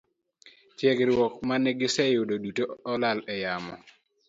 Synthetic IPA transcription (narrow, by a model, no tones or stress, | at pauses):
t͡ʃjɛɡɾwɔkmanɛɡɪsɛjʊdodutoɔlalɛjamɔ̰